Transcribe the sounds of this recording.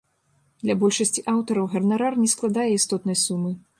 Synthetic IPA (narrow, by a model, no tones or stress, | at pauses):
d̪lʲabɔlʲʂɐsʲt͡sʲiʔawt̪ɐɾɐwɣɐrnaɾarnʲɛsklˠad̪ajɛist̪ɔt̪nɐjsumɨ